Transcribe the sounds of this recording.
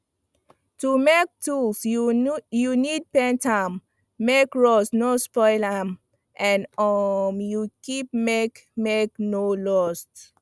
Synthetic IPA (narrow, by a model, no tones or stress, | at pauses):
tumek̚tuls | junid̚pɛ̃ntʰãmː | ekɹɔsnospɔɪlam | ʔɛ̃nɔmjukip̚mek | meknolɔst